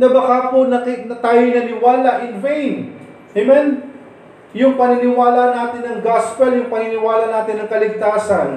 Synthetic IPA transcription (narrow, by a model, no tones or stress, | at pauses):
nɐbɐkaːponɐknɐt̪aːjonɐnɪwaːlaʔɪnvɛjn | ʔɛmɛn | jʊŋpɐnɪnɪwaːlaʔɐnaːt̪ɪnːɐŋɡaspɛljʊŋpɐnɪnɪwaːlɐnaːt̪ɪnɐŋkɐlɪɡ̚t̪aːsɐn